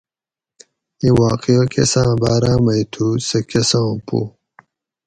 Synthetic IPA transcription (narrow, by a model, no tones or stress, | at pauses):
iwaːqiɐkḛsãːbaːɾãːmɐjt̪ʰusɐkesãpṵ